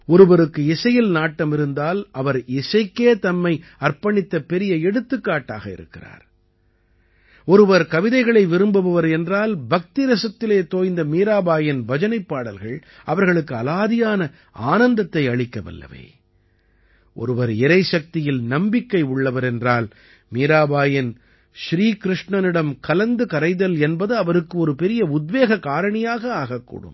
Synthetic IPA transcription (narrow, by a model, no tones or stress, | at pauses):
ɔɾɯʋɐɾɯkːɯɪsɐjɪlnaːʈːɐmɪɾɯnd̪aːlɐʋɐɾɪsɐɪkːeːt̪ɐmːɐɪɐɾpɐɳɪt̪ːɐpɛɾɪjɐɛɽɯt̪ːɯkːaːʈːaːɣɐɪ̰ɾɯ̰kːɪra̰ːɾ | ɔɾɯʋɐɾkɐʋɪðɐɪɣɐɭɐɪʋɪɾɯmbɐʋɐʋɐɾɛndraːlbɐk̚t̪ɪɾɐsɐt̪ːɪleːt̪oːjnd̪ɐmiːɾaːbaːjɐnʋɐd͡ʒɐnɐɪpːaːɽɐlɣɐɭ | ʔɐʋɐɾɣɐɭɯkːɯɐlaːðɪjaːnɐ | a̰ːnɐnd̪ɐt̪ːɐɪɐɭɪkːɐʋɐ̰lːɐ̰ʋḛː | ʔɔ̰ɾɯʋɐɾɪɾɐɪʃɐk̚t̪ɪjɪlnɐmbɪkːɐɪʊɭːɐʋɐɾɛndraːl | miːɾaːbaːjɪn | ʃɾiːkɪɾɪʂɳɐnɪɽɐmkɐlɐnd̪ɯkɐɾɐɪðɐlɛnbɐðɯɐʋɐɾɯkːɯɔɾɯpɛɾɪjɐʊd̪ʋeːɣɐkaːɾɐɳɐjaːɣɐaːɣɐkːṵːɽɯ̰m